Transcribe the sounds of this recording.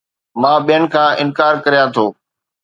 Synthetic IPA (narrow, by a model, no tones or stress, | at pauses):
mãːɓijənɪ̆kʰãːʔɪnkaːɾkɐɾijãːt̪ʰoː